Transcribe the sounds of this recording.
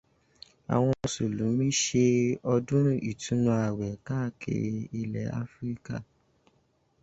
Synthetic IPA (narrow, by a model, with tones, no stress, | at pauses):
a̰˨w̃ɔ̃˧su˨lũ˨˦mĩ˦ʃe˧ɔ˧dũ˦ɾ̃ũ˦ʔi˨tũ˨˦nũ˧a˨wɛ˨ka˦˨kʰḛ˧i˧lɛ̰˨˦a̰˦fɾi˦ka̰˦˨